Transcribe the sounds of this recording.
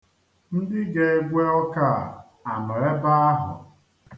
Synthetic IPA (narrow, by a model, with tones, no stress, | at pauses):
n̩˦dɪ˦ɡe˦e˦ɡʷe˦ɔ˦ka˦˨ | a˨nɔ˨e˦ba˦a˦ɦʊ̰˨